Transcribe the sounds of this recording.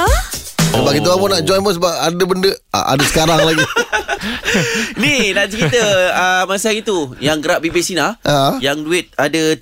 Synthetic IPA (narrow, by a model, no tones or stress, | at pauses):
səbaʔkit̪uamonaʔd͡ʒɔnmos̬əbap̚adəbəndəa̰ʔa̰dəsə̥kaɾaŋlaɡi | ninaʔt͡ʃəɾit̪əəmasait̪ujaŋɡəɾaʔ̚bibisinahajaŋduɪt̪̚adə